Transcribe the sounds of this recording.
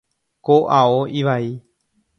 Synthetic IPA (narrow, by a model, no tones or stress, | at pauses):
koʔaoʔiʋai